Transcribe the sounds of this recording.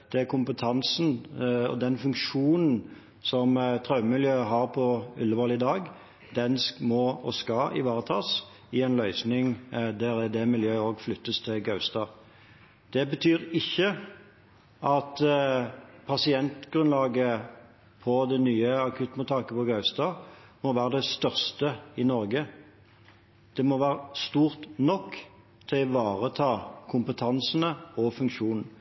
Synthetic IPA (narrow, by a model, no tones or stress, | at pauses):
d̪̥ɛækʰʊmpət̪ʰɑnsn̩ɔ̰d̪ɛnfʉŋkʂuːnn̩ | sɔmt̪ʰʁɑʉəmɪljøːəɦɑːʁpʰɔʏlːəbɑːlɪd̪ɑːɡ | d̪ɛnsmɔɔskɑɪ̰ʋɑːʁət̪ʰɑːs | ɪɛɪnlœʏsnɪŋd̪æɾɛd̪ɛmɪljøːoːɡflʏt̪ːəst̪ʰɪlɡɑʉst̪ɑ | d̪̥ɛbət̪ʰyːɾɪçːə | ʔɑt̪ | pʰɑsɪɛnt̪ɡɾʉnlɑːɡə | pʰɔd̪ɛnyːəɑkʰʉt̪mʊt̪ʰɑːkəpɔɡɑʉst̪ɑːmɔʋæːʁəd̪ɛst̪œʁst̪əɪnɔʁɡə | d̪̥ɛmɔʋæːʁəst̪uːʁt̪nɔkː | t̪ʰɪʋɑːʁət̪ʰɑːkʰʊmpət̪ʰɑnsənəɔfʉŋkʃuːnn̩